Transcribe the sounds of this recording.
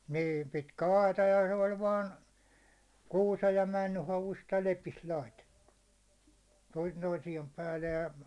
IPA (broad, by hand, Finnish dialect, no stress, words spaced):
niːn̞ pitkæ ɑitɑ jɑ se olʲ ʋɑːn kuːsej jɑ mænːy hɑʋust jɑ lepist lɑitetːu toin toisiem pæːlːej jɑ